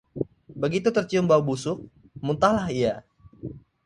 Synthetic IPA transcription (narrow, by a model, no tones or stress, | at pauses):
bəɡit̪ut̪ərt͡ʃiʊmbawbusʊk̚ | munt̪ahlahia